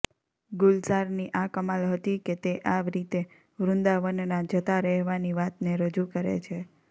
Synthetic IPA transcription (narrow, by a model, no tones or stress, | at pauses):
ɡʊlsaɾniʔakəmalɦət̪iket̪eʔaʋɾit̪e | ʋɾʊ̃nd̪aʋənnad͡ʒət̪aɾɛɦʋaniʋat̪neɾəd͡ʒukəɾḛt͡ʃʰe